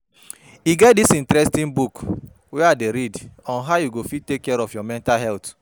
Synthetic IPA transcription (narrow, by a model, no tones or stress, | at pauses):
iɡɛt̚disĩntɾɛstĩnbuk | wɛadeɾidɔ̃nɦaʊjuɡofid̚tekːɛɾɔfjɔmɛ̃ntalɦɛlt